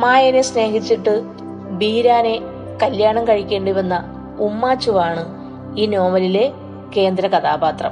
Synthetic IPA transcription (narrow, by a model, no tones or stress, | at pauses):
maːjɐnesne̞ːɦit͡ɕːiʈːɨ | biːɾaːne̞ | kɐljaːɳɐmkɐɻikʲːe̞ːɳɖiʋɐnːɐ | umːaːt͡ɕːuʋaːɳɨ | iːno̞ːmɐlile̞ | ke̞ːnd̪ɾɐkɐt̪aːbaːt̪rɐ̰m